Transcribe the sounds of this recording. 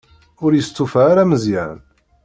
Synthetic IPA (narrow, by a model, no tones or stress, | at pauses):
ʊɾjəst̪ːufaːɾaməzjæ̰n